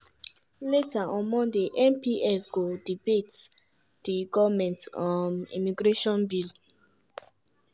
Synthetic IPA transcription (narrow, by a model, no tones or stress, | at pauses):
letaʔɔ̃nmɔ̃ndeʔɛ̃mpiɛsɡodibet | d̥iɡɔvmɛ̃ntɔ̃nḭmiɡɹeʃɔ̃nbil